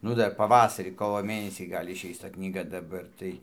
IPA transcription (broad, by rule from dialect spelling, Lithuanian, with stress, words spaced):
ˈnʊ ˈdɐr pɐˈʋɑːsɐrʲiː ˈkoːʋoː ˈmʲeːnʲɛsʲiː ˈɡɐlʲ ɪʃʲˈɛɪs tɐ knʲiːˈɡɐ dɐˈbɐr tɐɪ